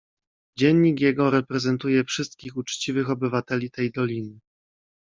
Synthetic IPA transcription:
d͡ʑɛɲːikjɛɡɔɾɛpɾɛzɛnt̪ujɛfʂɘst̪̚kʲixut͡ʂt͡ɕivɘxɔbɘvat̪ɛlʲit̪ɛjd̪ɔlʲinɘ

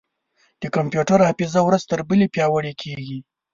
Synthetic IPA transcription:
d̪̥əkampjuʈaɾapizawɾazt̪əɾbəlepjɑwəɽekʰeɡi

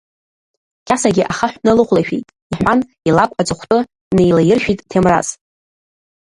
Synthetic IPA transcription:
kʲʰʼasaɡʲɪʔaχaħʷᶣnɨlɨχʷlaʃᶣḛjtʼ | iħᶣʷan | ilakʷʼad͡zʼɨχʷtʼʊ | nejlajɪrʃᶣitʼtʰemra̰z

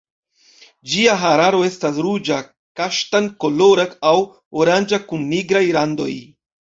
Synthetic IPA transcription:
d͡ʒiaɦaɾaɾo̞e̞stasɾud͡ʒa | kaʃtankoloɾakaw | oɾand͡ʒakunːiɡɾajlando̞̰j

